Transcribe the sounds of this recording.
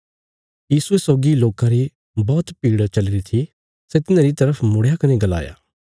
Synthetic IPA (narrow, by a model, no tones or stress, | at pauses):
jiːsuesɔːɡiloːkãɾi | bɔːt̪piːɽt͡ʃɐlɪɾit̪ʰi | set̪ɪnãːɾit̪ɐɾəpʰmʊɽ̤jakɐneɡɐla̰ːja̰ː